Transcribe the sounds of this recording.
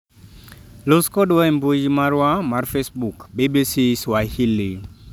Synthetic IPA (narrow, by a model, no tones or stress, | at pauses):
luskɔdwaimbud͡ʒimaɾwamarfesbukbibisiswahili